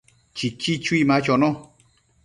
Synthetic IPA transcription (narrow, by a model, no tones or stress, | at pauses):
t͡ʃit͡ʃit͡ʃwimãt͡ʃonõ